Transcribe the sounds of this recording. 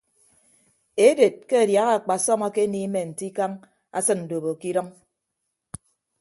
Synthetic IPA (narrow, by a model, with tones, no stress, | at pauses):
e˦de˨t̚ke˦a˨dja˨˦ɣa˦˨a˨k͡pa˨sɔ˦ma˦ke˦ni˦me˨n̩˨ti˦ka˦ŋ | a̰˦sɨ˦n̩˨do˨βo˨ki˦ɾɔ˦ŋ